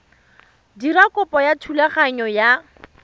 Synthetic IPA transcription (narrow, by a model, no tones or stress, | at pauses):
dirakʼʊpʼɔjatʰulaχaɲɔja